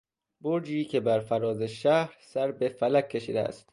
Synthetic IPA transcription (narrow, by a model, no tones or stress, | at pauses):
boɾd͡ʒiːcʰe̞bæɾfæɾɒːzeʃæhɾsæɾbe̞fælækʰʲːe̞ʃiːd̪ḛæ̰st̪